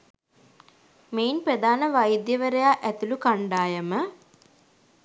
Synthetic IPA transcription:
meinpɾəd̪aːnəʋajd̪jəʋəɾejaːʔæt̪ulukaɳɖaːjəmə

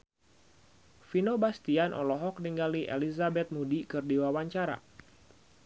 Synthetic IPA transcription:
finobast̪ianʔɔ̰lɔɦɔk̚niŋɡaliʔḛlizabɛt̪̚mudikɨrdiwawaɲt͡ʃaɾa̰

